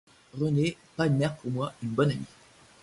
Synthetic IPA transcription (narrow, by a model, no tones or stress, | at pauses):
ʁəne | pamɛʁpʰuʁmwaynbɔnami